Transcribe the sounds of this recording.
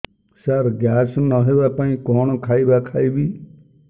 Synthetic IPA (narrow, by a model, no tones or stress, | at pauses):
saɾɡjaːsnəɦeːbaːpaːĩkoːɳ̃kʰaːibaːkʰaːiːbiː